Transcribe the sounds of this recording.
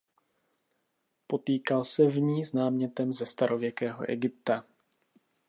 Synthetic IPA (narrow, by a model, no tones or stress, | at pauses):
po̞t̪iːkalsɛvɲiːznaːmɲɛt̪ɛmzɛst̪aɾo̞vjɛkɛːɦo̞̰ʔɛ̰ɡɪp̚t̪a